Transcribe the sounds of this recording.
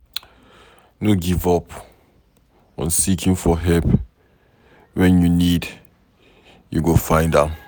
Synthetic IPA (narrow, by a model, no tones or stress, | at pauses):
noɡivɔp | ɔ̰̃nsikʰĩŋfɔɦɛlp | wɛ̃njunid | jṵɡofãɪ̃ndã